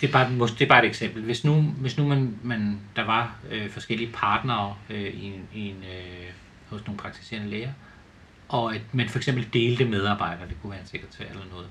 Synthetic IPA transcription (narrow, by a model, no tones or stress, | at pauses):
d̥e̝b̥ɑ̈ːmosd̥e̝bɑ̈ːed̥eɡ̥sem̰b̥l̩ʋe̝snuʋe̝snumænmænd̥ɑ̈ʋɑ̈øfɒ̽sɡ̥el̰iəpʰɑ̈ːd̥nɐːøiienø | hɔ̽sno̝ːpʰʁɑ̈ɡ̥t͡sʰi̥se̝̰ɐnəleːɐ | ʔɒ̽mænfɒ̽eɡ̥sem̰bl̩d̥e̝ːld̥əmeð̞ˠɑ̈ːb̥ɑ̈ɪ̰d̥ɐːd̥e̝kʰuʋæːɐense̝ɡ̥ɐd̥t͡sʰḛɐ̰elɐnɔ̽ːð̩ˠ